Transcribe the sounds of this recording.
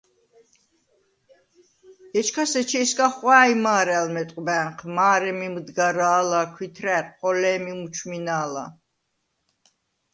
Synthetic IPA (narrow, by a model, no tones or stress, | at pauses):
ɛt͡ʃʰkʰasɛt͡ʃʰɛskʼaχwaːjmaːɾɛalmɛt̪ʼqʼbɛχʰmaːɾɛmimd̪ɡaɾaːlakʰwit̪ʰɾɛɾqʼɔlɛːmimut͡ʃʰminaːla̰